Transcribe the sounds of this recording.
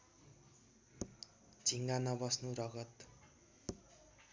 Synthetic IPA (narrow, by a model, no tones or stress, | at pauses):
d͡zʱiŋɡanʌbʌsnuɾʌɡʌt̪